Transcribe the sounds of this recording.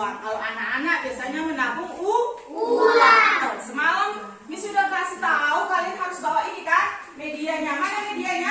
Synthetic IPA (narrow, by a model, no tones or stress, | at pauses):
akaloanakanabiasaɲamənapʊŋu | at̪ɔsəmalam | nisudahkasit̪aaukalianɦaɾʊsbawaʔinikamediaɲamanamediaɲa